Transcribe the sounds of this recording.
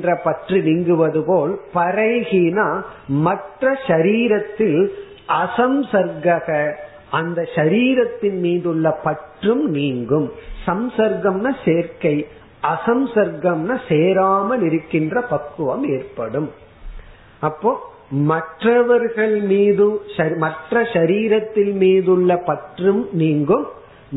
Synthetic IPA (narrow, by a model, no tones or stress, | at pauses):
ndrɐpɐʈrinɪŋɡɯʋɐðɯpoːlpɐɾɐɪɣinaːmɐʈrɐʃɐɾiːɾɐt̪ːɪl | ʔɐsɐmsɐɾɡɐɣɐ | ɐnd̪ɐʃɐɾiːɾɐt̪ːɪnmiːðɯɭːɐpɐʈrɯmniːŋɡɯmsɐmsɐɾɡɐmnɐseːɾkɐɪ | ʔɐsɐmsɐɾɡɐmnɐseːɾaːmɐlɪɾɯkːɪndrɐpɐkːɯʋɐmeːrpɐɽɯm | ɐpːoː | mɐʈrɐʋɐɾɣɐɭmiːðɯɐɾmɐʈrɐʃɐɾiːɾɐt̪ːɪlmiːðɯɭːɐpɐʈrɯmniːŋɡɯm